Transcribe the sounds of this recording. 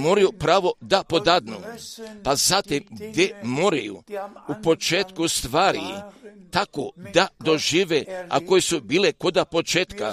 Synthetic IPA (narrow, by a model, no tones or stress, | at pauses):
moɾajupɾaːʋo̞d̪apo̞d̪ad̪nṵpazat̪imɡɡd̪jemoɾajṵupo̞t͡ʃeːt̪kust̪ʋaːɾḭt̪akod̪ad̪o̞ʒiʋea̰ko̞jesubiːlekod̪apo̞t͡ʃeːt̪ka